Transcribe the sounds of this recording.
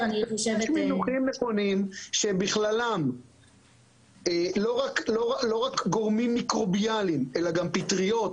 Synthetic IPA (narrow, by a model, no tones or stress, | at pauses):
ʃminuχimneχonimʃebiχlalam | elo̞ʁakloʁalo̞ʁakɡo̞ʁmimːikʁo̞bialime̞laɡampit̪ʁio̞t̪